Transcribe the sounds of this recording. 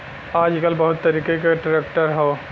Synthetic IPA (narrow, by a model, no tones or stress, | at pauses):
aːd͡ʒkɐlbɐɦʊt̪ːɐɾiːkekaʈɾeːkʈəɾɦoː